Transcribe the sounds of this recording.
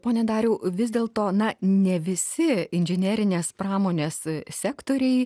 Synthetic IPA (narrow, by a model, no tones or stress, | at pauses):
poːnʲɛd̪ɑːɾʲɛʊʋʲɪzd̪ʲeːlˠt̪oːnɐnʲɛʋʲɪsʲɪɪnʲʒʲɪnʲæɾʲɪnʲeːspɾɑːmoːnʲeːssʲæːkt̪oːɾʲɛɪ